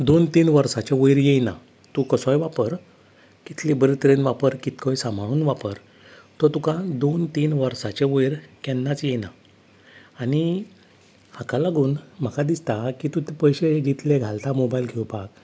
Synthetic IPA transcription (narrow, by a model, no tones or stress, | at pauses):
d̪ont̪iːnʋəɾsat͡ɕẽʋəjɾjejna̰ | t̪ũkəsɔ̃jʋapəɾ | kit̪ʰlibəɾit̪ɾenʋapəɾkit̪kojsam̤ʱauːnʋapəɾ | t̪ɔɾt̪ukãd̪ont̪iːnʋəɾsat͡ɕeʋəjɾkɛnːat͡sjena | ani | hakalaɡuːnm̤əkad̪ist̪akit̪ũt̪epəjɕed͡ʑit̪ʰleɡʱalt̪amobajilɡʱewpak